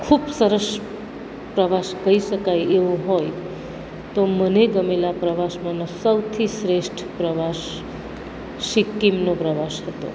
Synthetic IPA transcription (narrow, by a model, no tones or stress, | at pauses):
kʰubsəɾəs | pɾəʋaʃkəɦiʃəkajeʋoɦoj | t̪oməneɡəmelapɾəʋaʃmãnosəwt̪ʰisɾeʃʈʰpɾəʋaʃ | ɪkːimnopɾəʋaʃhət̪o̰